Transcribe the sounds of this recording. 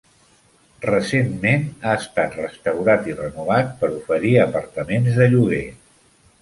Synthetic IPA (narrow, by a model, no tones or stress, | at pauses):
rəsemmenaəst̪at̪rəst̪əwɾat̪irənuβat̪̚pəɾufəɾiəpəɾt̪əmenzðəʎuɣe